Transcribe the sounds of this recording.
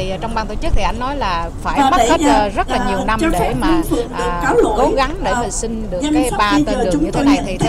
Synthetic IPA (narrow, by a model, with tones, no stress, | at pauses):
i˨˩˨t͡ɕɔ˧wŋ͡mɓaː˧nt̪ʰo˧˩t͡ɕɨ˦˥t̪ʰi˨˩ʔa˧jŋnɔ˨˦jlaː˨˩faː˧˩jaː˨˩ɗe˧˩˦za˨˩zə˦˥tllaː˨˩i˨˩˨n˧t͡ɕɔ˧fa˦˧˩ɨ˧ŋfɨ̰˨˩əŋɨ̰˨˩ək̚kaː˨˦wlo̰˧˨jɣa˨˦ŋɗḛ˧˩˨i˧ŋɗɨ˨˩za˧jn˧sp̚ːi˧əː˨˩t͡ɕʊ˨˦ŋ͡mt̪o˧jɲə̰˧˨i˦˧˦